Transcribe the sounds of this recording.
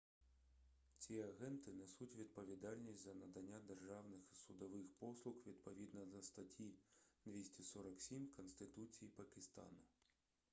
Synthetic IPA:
t͡sʲijɛaɣɛnt̪ɨnɛsut͡sʲvʲid̪̚pɐvʲid̪alʲnʲisʲtʲzɐnɐd̪anʲːad̪ɛrʐawnɨxisud̪aʋɨxpɔslˠuxvʲid̪pɐvʲid̪nɐzɐst̪at͡sʲid̪vʲesʲt͡sʲisɔɾɐksʲimʲkɐnsʲt̪ɨt̪ut͡sʲijipɐkʲist̪a̰nu

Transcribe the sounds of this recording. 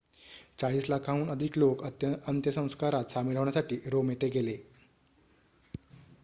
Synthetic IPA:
t͡saɭiːslakʰauːnəd̪ʱiːklokənt̪jəsə̃w̃skaɾat̪samiləʋɳjasaʈiːɾomjet̪eɡele

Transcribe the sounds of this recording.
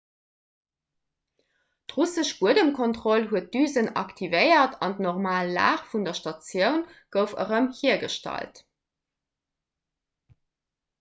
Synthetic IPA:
tʁusəʃb̥uədəmkʰontʁolɦuət̚d̥yːzənɑ̰ktʰivəɪɐtʰɑndnoʁmaːlːa̰ːχfundɐʃtɑt͡sjəʊnɡ̥əʊfə̰ʁəmhiɐɡəʃtɑ̰lt

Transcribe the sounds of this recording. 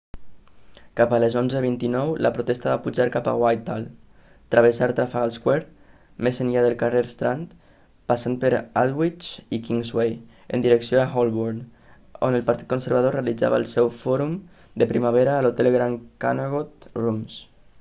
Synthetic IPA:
kapaləzonzəβint̪inɔwlə̰pɾut̪ɛst̪aβapuʒaɾkapa̰wajt̪al | t̪ɾəβəsaɾt̪ɾafaɣalˠskwɛɾ | mezənʎaðəlˠkareɾst̪ɾant̪ | pasan̚pəɾalˠwit͡ʃikiŋzwej | ə̰nd̪iɾəksijoaxɔlˠβuɾn | o̰nəlˠpaɾt̪it̪̚kunsəɾβaðorealid͡za̰βaəlˠsɛwfɔɾum | d̪əpɾimaβeɾaːlot̪ɛlɣɾanka̰naɣot̪rums

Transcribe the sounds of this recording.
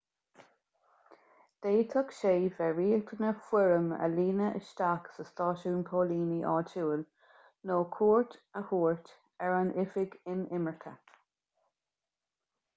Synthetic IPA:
d̪̥eːt̪ʰɔkʃeːvɛɹiːəɡt̪ʰənəfwɪɹəmə̰liːnəʔə̰ʃt̪aksəstɑːʃuːnpʰoːliːniʔɑ̰ːt͡ʃuːəl | noːkʰuːɹtəhuːɹt̪ | ɛɹanʔɪfɪɡɪnɪməɹkʰə

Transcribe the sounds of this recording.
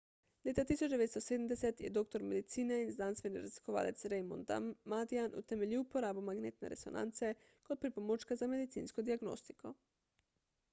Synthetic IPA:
leːt̪at̪iːsot͡ʃd̪eʋeːt̪st̪oseːd̪əmd̪ɛsɛt̪jɛ̰d̪ok̚t̪oɾmed̪it̪siːnɛinznanst̪ʋeniɾɛzli̥koʋa̰ːlɛt̪sɾejmond̪a̰mad̪ianʔṵt̪ɛmeliwupoɾaːbumaɡneːt̪nɛ̰ɾɛ̰so̰nʔa̰ːnt̪sɛ | kot̪̚pɾipomot͡ʃkazamed̪it̪sḭːnskod̪iaɡno̰ːst̪i̥kʰo

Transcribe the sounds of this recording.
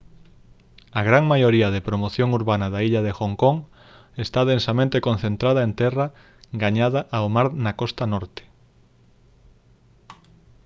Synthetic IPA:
aɣɾaŋmajoɾiɐðepɾomoθjoŋuɾβanaðaiʎaðexoŋkoŋ | est̪aðensamẽnt̪ekon̟θent̪ɾaðaent̪ɛra | ɡaɲaðaʔaomaɾnakɔst̪anɔɾt̪e̥

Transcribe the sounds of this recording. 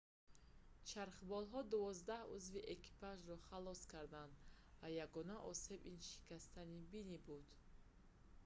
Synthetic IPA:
t͡ʃʰaɾχbɔlɦɔd̪uvɔzd̪ahuzviʔekʰi̥pʰaʒɾɔχalɔskʰaɾd̪and̪vajaɡɔnaʔɔse̞binʃi̥kʰast̪ʰanibinibud̪̥

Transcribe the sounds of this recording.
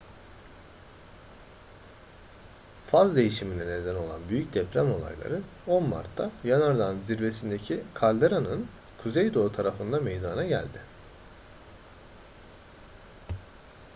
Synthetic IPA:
fazd̪e̞jiʃiminɛne̞d̪æno̞lˠa̰nbyjyc̚d̪ɛpɾæmo̞lˠa̰jlˠa̰ɾɯ | o̞nma̰ɾt̪ʰːajanaɾd̪anziɾve̞sind̪e̞cʰikʰalʲd̪eɾanɯn | kʰuzejd̪o̞t̪ʰaɾafɯnd̪amejd̪anaɟæ̰lʲd̪ɪ

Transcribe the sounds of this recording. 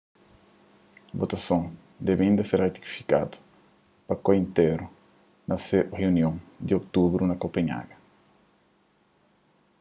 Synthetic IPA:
bot̪ɐsõŋ | d̪ɛbɐĩnd̪ɐseɾret̪i̥ki̥fi̥ka̰d̪u̥ | pɐkoĩnt̪eɾu | nɐsereunjõŋd̪iok̚t̪ubɾunɐkopeɲa̰ɡɐ

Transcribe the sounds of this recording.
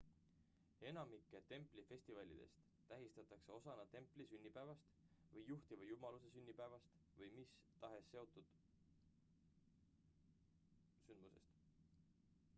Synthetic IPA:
e̞nɑmikːˑet̪e̞mpˑlife̞sʲt̪ivɑlʲḭd̪̥e̞̰st̪ːæɦist̪ɑt̪ːˑɑkse̞o̞sɑnɑt̪e̞mpˑlisynʲːipævɑst̪ | vɤjːuht̪ivɑjumɑlusesynʲːipævɑst̪vɤjmist̪ɑɦe̞sːe̞o̞t̪ˑud̪̥ | synd̪muse̞̰st̪

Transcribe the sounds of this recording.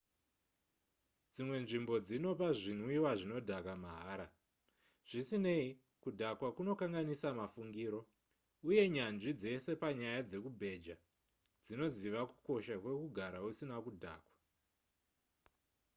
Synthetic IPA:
d͡zimwe̞nʐimbo̞d͡zino̞paʐin̤wiwaʐino̞dʱakamaɦaːɾa | ʐ̥isine̞i | kudʱakwakuno̞kaŋɡanisamafuŋɡiːɾo̞ | uje̞ɲanʐid͡ze̞se̞paɲajad͡ze̞kubʱe̞d͡ʒa | d͡zino̞ziʋaku̥ko̞ʃakwe̞kuɡʱaɾausinakudʱa̰ːkwḁ

